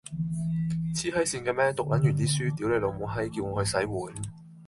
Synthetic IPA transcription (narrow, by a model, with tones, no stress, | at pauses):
t͡sʰiː˥hɐ˥jsiː˧nkɛː˧mɛː˥t̪ʊ˨k̚lɐ˨˥njyː˨˩niː˨˥syː˥t̪iː˨˥wle˨˩lo˨˧wmo˨˧ɦɐ˥jki˧wŋɔː˨˧hɵ˧ɥsɐ˨˥jwuː˨˥n